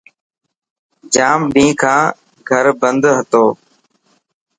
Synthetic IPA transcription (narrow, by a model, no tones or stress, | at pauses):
d͡ʒaːmɖĩːkʰãː | ɡʱəɾbənd̪ɦət̪oː